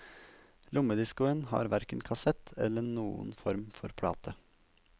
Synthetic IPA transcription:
lʔʊməd̪ɪskʊənhɑ̰ːɾʋæɾkənkʰɑsɛt̪ʰɛ̰lːənuːʊ̰nfɔɾmfɔɾpʰɽɑ̰ːt̪ʰə

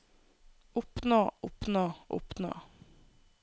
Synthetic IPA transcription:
ʊpnoːʊpnoːʔʊ̰pno̰ː

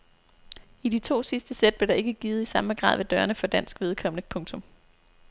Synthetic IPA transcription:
id̥it͡sʰo̝̰ːsisd̥əsed̥̚b̥leɐɾ̥ɑ̈e̝ɡ̥əɡ̥iːð̩ˠisɑ̈məɡ̥ʁɑ̰̈ːð̰ˠʋe̝d̥ɶːɐnəfɒ̽d̥æn̰sɡ̥ʋið̞ˠkʰɒ̽mənəpʰɔ̽ŋt͡sʰɔ̽m

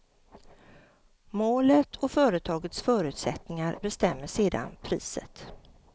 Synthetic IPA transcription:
moːlət̪ʰɔfœːɾət̪ʰɑːɡət̪sfœːɾʉ̟ːt̪sɛt̪nɪŋaɾbɛst̪ɛmːəʂeːd̪a̰npʰɾḭːsə̰t̪

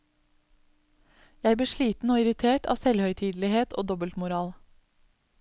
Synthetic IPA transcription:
jæɪbliːʃɭiːt̪n̩oːɪɾɪt̪ʰeːʈɑ̰ːsɛlhœʏt̪ʰiːd̪lɪheːt̪ʰo̰ːd̪ɔbəlt̪mʊɾɑːl

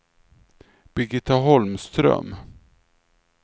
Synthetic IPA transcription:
b̥ɛɡɪt̪aɦɔlmst̪ɾœ̰m

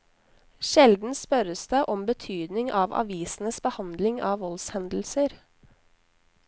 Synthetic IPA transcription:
ʃɛld̪n̩spœɾəsd̪æɪʔɔmbət̪ʰyːd̪nɪŋʔɑːʋɑ̰ʋiːsn̩əsbəhɑnd̪lɪŋɑːʋʋɔlshɛnd̪l̩səɾ

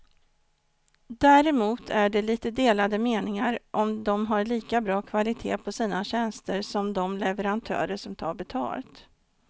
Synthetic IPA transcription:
d̪æːɾɛmuːt̪ʰæɖɛliːt̪əd̪eːlad̪əmeːnɪŋaɾʔɔmd̪ɔmɦaɾɭiːkabɾɑːkʰvalɪt̪ʰḛːpʰɔsiːnaɕɛnst̪əɾʂɔmd̪ɔmlɛvɛɾant̪ʰœ̰ːɾəʂɔmt̪ʰɑ̰ːɾbɛt̪ʰɑ̰ːlt̪

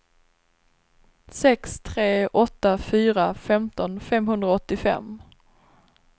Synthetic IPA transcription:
sɛkst̪ʰɾeːʔɔt̪ːafyːɾafɛmt̪ɔnfɛmɦɵnd̪ɾaɔt̪ːɪfɛ̰mː

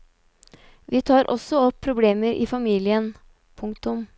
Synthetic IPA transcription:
ʋiːt̪ʰɑːɾʔɔsɔɔpʰːɾʊbleːməɾʔḭːfɑmiːlɪən | pʰʊŋk̚t̪ʊm

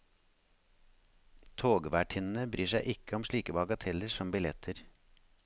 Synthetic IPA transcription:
t̪ʰoːɡʋæːʈʰɪnn̩əbɾyːʃæɪʔɪkəɔmʃɭiːkəbɑɡɑt̪ʰɛləʃɔmbɪlɛt̪ʰəɾ

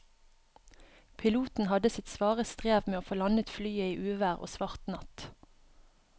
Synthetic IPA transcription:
pʰɪluːt̪n̩hɑd̪əsɪt̪sʋɑːʁəst̪ʁeːʋmeːoːfoːlɑnət̪flyːəiːʔʉːʋæːʁo̰ːsʋɑʁt̪nɑt̪

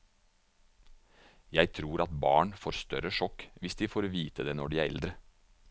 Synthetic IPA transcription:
jæɪt̪ʰɾuːɾʔɑt̪bɑ̰ːɳfoːɾst̪œɾəʃɔkʋɪsd̪iːfoːɾʋiːt̪əd̪eːnɔɖiːæɛ̰ld̪ɾə

